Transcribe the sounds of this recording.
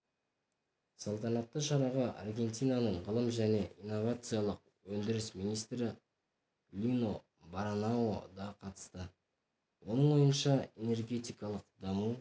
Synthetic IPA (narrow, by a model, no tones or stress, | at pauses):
sɑlˠt̪ɑnɑt̪ːəʃɑɾɑʁɑʔɑ̰rɡʲe̞nt̪ijnɑnəɴʁəlˠəmʒæne̞ʔinːo̞vat̪sɨjɑlˠəq̚ | wɵnd̪ɪɾɪsminijst̪ɾɪ | lʲino̞ | baɾnaod̪ɑqʰɑt̪ə̥st̪ə | wo̞nəɴwo̞jənʃɑene̞rɡʲe̞t̪ijkɑlˠəqd̪ɑmu